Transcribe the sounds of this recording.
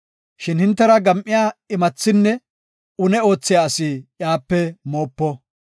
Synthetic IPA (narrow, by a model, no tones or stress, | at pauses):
ʃɪnhɪnt̪ːɛɾɐɡɐmʔɪjaːɪmɐt͡sːɪnːɛ | ʊnɛo̞ːt͡sːɪjaːsɪjaːpːɛmo̞ːpːɔ